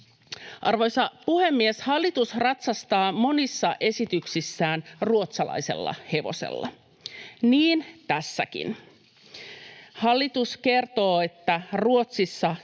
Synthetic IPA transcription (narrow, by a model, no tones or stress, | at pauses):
ʔɑrʋo̞jsɑpuhe̞mːieshɑlːit̪usrɑt̪sɑst̪ɑːmo̞nisːɑʔe̞sit̪yksisːæːnruo̞t̪sɑlɑ̰jse̞̰lːɑ̰he̞ʋo̰sḛlːɑ̰ | niːnt̪æsːæ̰kḭn | hɑlːit̪uske̞rt̪o̞ːe̞t̪ːæruo̞t̪sisːɑ